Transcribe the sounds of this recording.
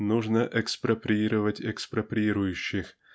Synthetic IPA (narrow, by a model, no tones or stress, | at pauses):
nuʐnəʔɛkspɾɐpɾʲiɾəvətʲɛkspɾɐpɾʲiɾʊjʉɕːɪx